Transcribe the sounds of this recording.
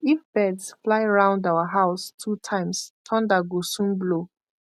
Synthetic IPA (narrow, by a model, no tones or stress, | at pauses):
ifb̥ɛdsflaɪɹãʊ̃ndawəɦaʊstʰutʰãɪ̃mstʰɔ̃ndaɡosũnblo